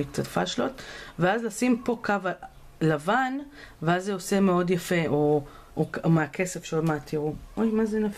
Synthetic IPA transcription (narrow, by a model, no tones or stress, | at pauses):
kt͡satfa̰ʃlo̞tveazlasimpo̞kava | lavan | veazːeosemeo̞djafeʔo | okomeakʰesefʃeomaatʰiʁuojmazenaf